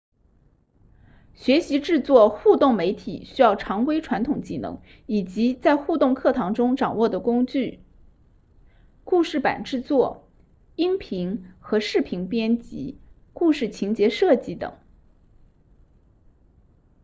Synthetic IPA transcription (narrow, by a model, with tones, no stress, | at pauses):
ɕɥɛ˧˥ɕi˧˥ʈ͡ʂɻ̩˥˧t͡swɔ˥˧xu˥˧t̪ʊ˥˩ŋme˧˥ɪt̪ʰḭ˨˩˦ɕy˥jɑ˥˩ʊʈ͡ʂʰɑ˧˥ŋkwe˥ɪʈ͡ʂʰwa˧˥nt̪ʰʊ˨˩ŋt͡ɕi˥˩nɤ̰˧˥ŋ | i˨˩t͡ɕi˧˥t͡sa˥˧ɪxu˥˧t̪ʊ˥˧ŋkʰɤ˥˩t̪ʰɑ˧˥ŋʈ͡ʂʊ˥ŋʈ͡ʂɑ˨˩ŋwɔ˥˩d̪ə˩kʊ˥ŋt͡ɕy˥˩ | ku˥˧ʂɻ̩˥˩pa̰˨˩nʈ͡ʂɻ̩˥˧t͡swɔ˥˩ | i˥ŋpʰi˧˥ŋxɤ˧˥ʂɻ̩˥˩pʰi˧˥ŋpjɛ˥nt͡ɕḭ˧˥ | ku˥˧ʂɻ̩˥˩t͡ɕʰi˧˥ŋt͡ɕjɛ˧˥ʂɤ˥˧t͡ɕi˧˥t̪ɤ̰˨˩˦ŋ